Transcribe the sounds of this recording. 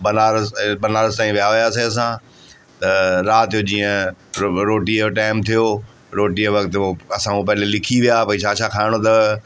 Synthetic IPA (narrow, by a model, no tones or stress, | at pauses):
bɐnaːɾbɐnaːɾəzt̪aːĩʋijaʋɪjaːseɐs̬ãː | t̪ɐɾaːt̪ijod͡ʑiːə̃ | ɾoːʈiʈaːɪmt̪ʰijo | ɾoːʈiəʋɐkt̪ɐsãũpɐɦɪ̃lelɪkʰiʋijapɐĩʃʰaːʃakʰaːɪɽ̃ot̪ɐ